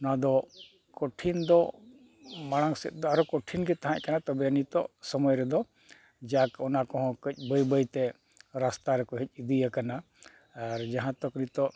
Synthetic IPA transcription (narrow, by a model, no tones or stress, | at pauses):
ɔnad̪ɔ | kɔʈʰind̪ɔ | maɽ̃aŋsɛ̰t̪̚ˀd̪ɔaɾɔkɔʈʰinɡɛt̪aɦãʔkanat̪ɔbɛnit̪ɔ̰ʔsɔmɔjɾɛd̪ɔ | d͡ʒaakɔnakɔɦɔ̃kəc̚ˀbəjbəjt̪ɛ | ɾast̪aɾɛkɔɦɛc̚ˀid̪ijakanaː | ɾd͡ʒaɦãt̪ɔknit̪ɔʔ